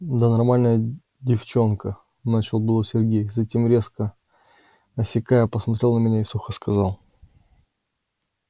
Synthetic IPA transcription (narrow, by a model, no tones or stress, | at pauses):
d̪ənɐrmalʲnəjə | dʲɪft͡ɕo̞nkə | nat͡ɕɪlˠbɨlˠosʲɪrɡʲejzɐtʲemɾʲe̞skə | ɐsʲɪkajəpəsmɐt̪ɾʲe̞lˠnəmʲɪnʲaɪsuxəskɐzalˠ